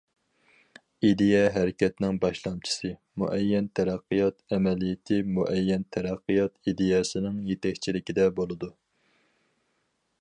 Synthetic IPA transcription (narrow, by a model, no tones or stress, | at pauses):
id̪ejɛɦæɾɪkʲɛt̪nɪŋbɑʃlˠɑmt͡ʃʰi̥sɨ | mṵʔɛjːɛnt̪ʰæɾæqːɨjɑt̪ɛmɛlijɪt̪ʰɪmuʔɛjːɛnt̪ʰæɾæqːɨjɑt̪id̪ejɛsɪnɪŋjet̪ɛkʲt͡ʃʰilɪkʲid̪ɛbolˠɨd̪u